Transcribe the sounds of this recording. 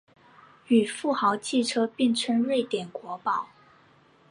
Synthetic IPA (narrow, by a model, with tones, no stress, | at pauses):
y˨˩fu˥˩xɑ˧˥ʊt͡ɕʰi˥˩ʈ͡ʂʰɤ˥pi˥˧ŋʈ͡ʂʰə˥ŋɻwe˥˩ɪt̪jɛ˨˩nkwɔ˧˥pɑ˨˩˦ʊ